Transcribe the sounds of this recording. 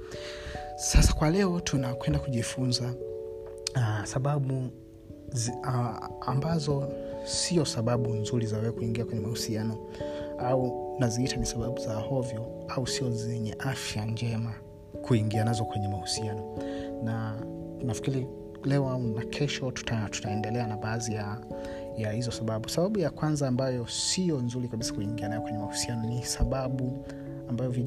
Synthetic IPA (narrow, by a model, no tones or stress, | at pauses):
sasḁkwalɛɔtʰunakwɛndakuʄifunza | saɓaɓu | ambazɔsiɔsaɓaɓunzuɾizawɛzɛkuiŋɡiakwɛɲɛmahusianɔ | aunaziitʰanisaɓaɓuzahɔvjɔ | ausiɔzɛɲɛʔafjand͡ʒɛma | kuiŋɡianazɔkwɛɲɛmahu̥sianɔnanafi̥kiɾi | lɛɔaunakʰɛʃɔtu̥tʰatu̥taɛndɛlɛanaɓaːzija | jahizɔsaɓaɓusaɓaɓujakwanzaːmbajɔsijɔnzuɾikaɓisḁkuiŋɡianajɔkwɛɲɛmahu̥sianɔnisaɓaɓu | ambajɔvi